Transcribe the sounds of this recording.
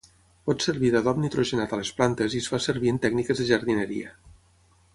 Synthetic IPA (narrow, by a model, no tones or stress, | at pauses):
pɔt̪seɾβiðaðɔbnit̪ɾoʒenat̪alesplant̪ezisfaseɾβ̞ient̪ɛɡnikezðeʒaɾðineɾḭa